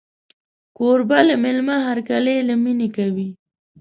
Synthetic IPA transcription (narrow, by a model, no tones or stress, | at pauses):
koɾbalamɪlmaɦaɾkalelaminekawi